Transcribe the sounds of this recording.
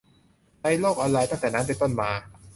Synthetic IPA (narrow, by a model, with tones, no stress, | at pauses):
ta˧˥jloː˥˩k̚ʔɔ˧nɾa˧jt̪a˥˩ŋt̪ɛː˨˩na˦˥npe˧nt̪o˥˩nmaː˧